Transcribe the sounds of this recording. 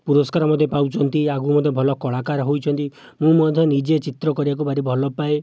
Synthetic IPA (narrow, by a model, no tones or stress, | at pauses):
puɾɔskaɾɔmɔd̪ʱjɔpawt͡ʃʰɔnt̪iaɡumɔd̪ʱjɔbʱɔlɔkɔɭakaɾɦojt͡ʃʰɔnt̪i | mũmɔd̪ʱjɔnid͡ʒet͡ʃit̪ɾɔkɔɾibak̬ubʱaɾibʱɔlɔpae